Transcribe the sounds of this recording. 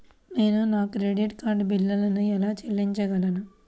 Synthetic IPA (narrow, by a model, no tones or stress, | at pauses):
ne̞ːnunaːkɾeɖiʈkaːɾɖbilːɐlɐnuɛlaːt͡ʃelːiɲt͡ʃɐɡɐlɐnu